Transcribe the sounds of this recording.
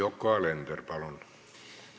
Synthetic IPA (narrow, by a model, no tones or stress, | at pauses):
okːɑˑːlent̪erpɑlon